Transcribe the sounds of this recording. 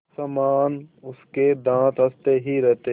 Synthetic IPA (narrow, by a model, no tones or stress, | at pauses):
sɐmaːnʊsked̪ãːt̪ɦɐst̪eɦiɾɛɦt̪e